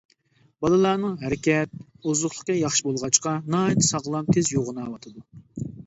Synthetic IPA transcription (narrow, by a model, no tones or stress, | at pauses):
bɑlˠɨlˠɑːnɨŋɦæɾɪkʲɛt̪̚ | ozʊχlˠə̥qːɑjɑχʃibolˠʁɑt͡ʃqɑnɑit̪ʰɨ̥sɑʁlˠɑmt̪ʰezjoʁənɑːwɑt̪ʰɨd̪u